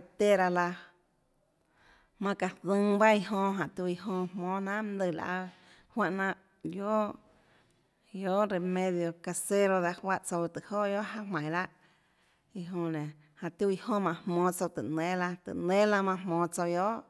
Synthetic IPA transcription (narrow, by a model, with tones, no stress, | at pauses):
a˧˨t̪e˦ɾa˧la˧ | mã˧ka˨dɨ̃˧˦ŋba˦i˧ɦõ˧ɦã˨t̪ju˧i˧ɦõ˧mmɔ̃ː˦nã˦ʔmd̪e˧˨la̰˨ʔa˧ | hwa˦˨ʔnã˧ʔ | jo˦ | jo˦ʔɾe˨mẽ˦˧ðjo˧ka˧se˦ɾo˧ða˧hwa˦ʔt͡so˧wt̪ɨ˨ho˦˨ʔjo˦ʔɦa˦mã˨j̃la˦ʔ | i˧ɦõ˧nẽ˨ | hã˨ʔt̪u˦˧i˧hõ˦mã˧hmɔ̃ː˧t͡so˧wt̪ɨ˨nẽ˦la˧t̪ɨ̰˨nẽ˦la˦˧mã˧mmɔ̃ː˧˦t͡so˧wjo˦ʔ